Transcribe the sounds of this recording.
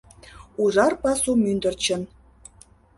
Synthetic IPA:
uʒɑrpɑsumynd̪ə̆rt͡ɕə̆n

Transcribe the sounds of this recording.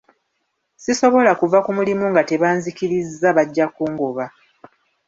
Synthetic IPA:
siso̞βolakuvakumulimuŋɡate̞βaːnzikiɾizːaβaɟːakuːŋɡoβa

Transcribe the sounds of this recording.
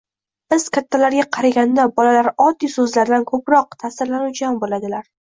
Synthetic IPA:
b̥ɪz̥kʲʰat̪ʰːalaɾɡʲaqʰɑɾaɡʲand̪abɒlalaɾɒd̪ːijsɵzlaɾd̪ankʰɵpɾɒq̚t̪ʰasɪɾlanuwt͡ʃʰaambolad̪ɪlaɾ

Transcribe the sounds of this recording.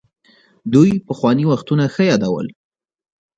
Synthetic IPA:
d̪ujpəxwɑniwaxt̪unaxəjɑd̪awə̰l

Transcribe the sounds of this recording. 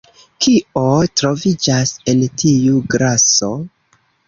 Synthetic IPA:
kiotɾo̞vid͡ʒase̞ntʰijuɡɾaso̞

